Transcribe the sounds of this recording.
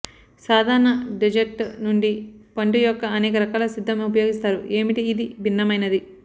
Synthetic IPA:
saːd̪ʱaːɾɐɳɐɖid͡ʒek̚ʈnuɳɖipɐɳʈujɔkːɐɐnɛːkɐɾɐkaːlɐsid̪ʱːɐmeup̬ɐjo̞ːɡist̪aːɾuʔe̞ːmiʈiːd̪ibʱinːɐmɐjnɐd̪i

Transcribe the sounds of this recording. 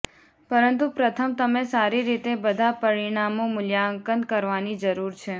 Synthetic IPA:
pəɾənt̪upɾət̪ʰəmt̪əmesaɾiɾit̪ebəd̪ʱapəɾiɳ̃amõmʊljaəŋkənkəɾʋanid͡ʒəɾuɾt͡ʃʰe

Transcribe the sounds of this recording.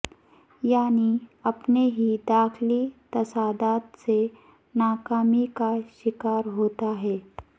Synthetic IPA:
jaːniɐpneɦid̪aːxlit̪ɐsaːd̪aːt̪se | naːkaːmikaʃɪkaːɾɦoːt̪aɦɛː

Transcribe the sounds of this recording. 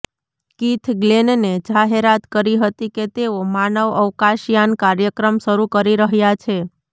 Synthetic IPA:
kit̪ʰɡlenned͡ʒaɦeɾat̪kəɾiɦət̪iket̪eomanəʋəʋkaʃjankaɾjəkɾəmʃəɾukəɾiɾəɦjat͡ʃʰe

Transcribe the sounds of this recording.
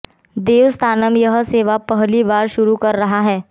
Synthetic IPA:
d̪eːʋst̪ʰaːnəmjɐɦseːʋapɐɦlibaːɾʃʊɾukɐɾːɐɦaɦɛː

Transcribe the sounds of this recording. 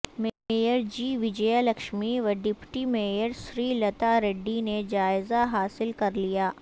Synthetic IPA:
mejəɾd͡ʒiːʋɪd͡ʒɛjalɐkʃmiʋɐɖɪpʈimeːjəɾʃɾiːlɐt̪aɾeɖːined͡ʒaːɪzaɦaːsɪlkɐɾlijaː

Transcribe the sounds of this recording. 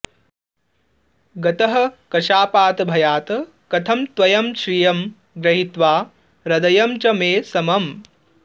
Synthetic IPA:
ɡɐt̪ɐɦɐ̆kɐʃaːpaːt̪ɐbʱɐjaːt̪ɐ | kɐt̪ʰɐmt̪ʋɐjɐmʃɾijɐm | ɡɾɐɦit̪ʋaː | ɾɐd̪ɐjɐmt͡ʃɐmeːsɐmɐm

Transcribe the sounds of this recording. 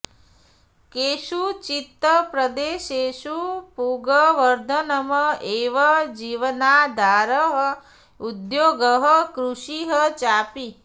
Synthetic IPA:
keːʃut͡ʃit̪ːəpɾɐd̪eːʃeːʃupuːɡɐʋɐɾd̪ʱɐnɐmɐeːʋɐd͡ʒiːʋɐnaːd̪ʱaːɾəɦə | ud̪joːɡəɦəkɾuʃiɦət͡ʃaːpi

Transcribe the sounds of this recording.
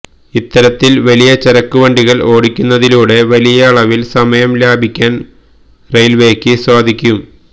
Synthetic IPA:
it̪ːɐɾɐt̪ːilʋɐlijɐt͡ɕeɾɐkːuʋɐɳɖiɣɐɭo̞ːɽikʲːunːɐðiluːɽe̞ʋɐlijɐːɭɐʋilsɐmɐjɐmlaːbʱikʲːaːn | rejlʋe̞ːkːɨswaːd̪ʱikʲːum

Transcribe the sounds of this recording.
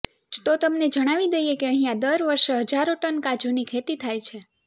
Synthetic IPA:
t̪ot̪əmned͡ʒəɽ̃aʋid̪əjekeəɦijãd̪əɾʋəɾʃɦəd͡ʒaɾoʈənkad͡ʒunikʰet̪it̪ʰajt͡ʃʰe

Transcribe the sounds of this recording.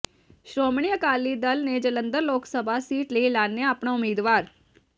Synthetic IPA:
ʃɾoːmɳ̃iːəkaːlːiːd̪əlneːd͡ʒələnd̪əɾloːksəbʱaːsiːʈləilaːnejaəpɳaːʊmiːd̪ʋaːɾ

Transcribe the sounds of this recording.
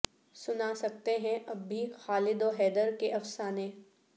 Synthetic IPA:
sʊnasɐkt̪eɦɛ̃ʔɐbːixaːlɪd̪oɦɛːd̪əɾkeʔɐfsaːnẽː

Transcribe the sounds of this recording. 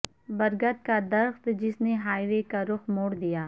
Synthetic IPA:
bɐɾɡət̪̚kad̪ɐɾxt̪d͡ʒɪsneɦaːɪɾekaɾʊxmoːɽd̪ijaː

